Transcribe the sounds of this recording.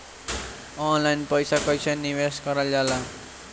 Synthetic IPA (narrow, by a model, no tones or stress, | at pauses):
ʌnlajnpʌjsakʌjsʰʌniweskʌɾʌljala